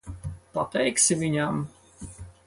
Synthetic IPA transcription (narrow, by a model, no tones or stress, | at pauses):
pat̪ɛjksʲɪvʲinʲam